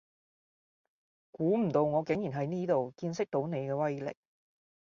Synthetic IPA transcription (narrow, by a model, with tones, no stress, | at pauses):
kuː˨˥m̩˨˩t̪o˧wŋɔː˨˧kɪ˨˥ŋji˨˩nɦɐ˨˥jniː˥t̪o˨wkiː˧nsɪ˥k̚t̪o˨˥wne˨˧jkɛː˧wɐ˥jlɪ̰˨k̚